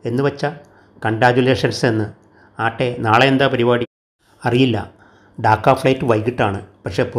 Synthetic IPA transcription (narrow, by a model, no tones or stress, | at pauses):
e̞nːɨʋɐt͡ɕːɐ | kɐɳɖɾaːd͡ʑule̞ːʂɐnsenːɨ | aːʈːe̞naːɭeend̪apɐɾibaːɽi | ɐrijilːɐ̰ | ɖaːkːaːfɭɐjtːɨʋɐjkiʈːaːɳɨpɐkʂe̞ːpu